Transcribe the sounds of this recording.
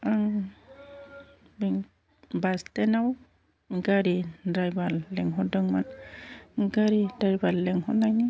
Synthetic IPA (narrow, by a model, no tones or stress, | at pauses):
aŋ | bɛŋ | bastɛnaw | ɡaɾidɾajbalːɛŋɦɔdɔŋman | ɡaɾidajbalːɛŋhɔnajn